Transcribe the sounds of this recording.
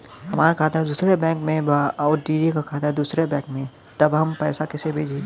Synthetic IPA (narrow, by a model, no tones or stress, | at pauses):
ɦɐmaːɾkʰaːt̪aɦɛd̪uːsɾebɛ̃ːŋkmẽbaɔːɾʈiːd͡ʒikakʰaːt̪aɦɛd̪uːsɾebɛ̃ːŋkmẽ | t̪ɐbɦɐmpɛːsakɪsebʱeːd͡ʒe